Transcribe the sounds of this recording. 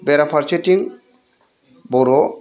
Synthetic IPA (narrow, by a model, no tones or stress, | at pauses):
bɛɾapʰaɾt͡ʃetiŋ | bɔɾɔ